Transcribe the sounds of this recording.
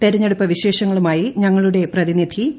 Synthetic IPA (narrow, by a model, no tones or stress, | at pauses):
t̪eɾɐɲːe̞ɽupːɐʋiɕe̞ːʂɐŋːɐɭumaːjiɲɐŋːɐɭuɽe̞prɐðinid̪ʰʱi